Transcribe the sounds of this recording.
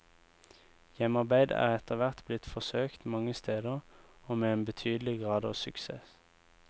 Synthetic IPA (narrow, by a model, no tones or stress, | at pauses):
jɛmɑʁbæɪd̪æ̰ːʁɛt̪əʁʋæʁt̪blɪt̪fɔsøːkt̪mɑŋəst̪ʰeːd̪əʁoːmeːeːnbət̪ʰyːd̪l̩ɪɡʁɑːd̪ɑːsʉksḛːs